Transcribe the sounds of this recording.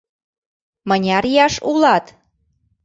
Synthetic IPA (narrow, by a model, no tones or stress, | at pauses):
mənʲɑɾjɑʃulˠɑt̪